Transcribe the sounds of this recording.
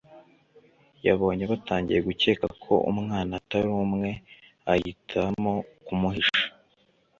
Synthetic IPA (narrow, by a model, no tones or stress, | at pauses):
jaβo̞ːɲe̞βataːɲɟḭje̞ɡuce̞ːkakʰo̞̰ʔṵmŋaːnataɾuːmŋe̞ | ajitʰamo̞kumuɦiʃḁ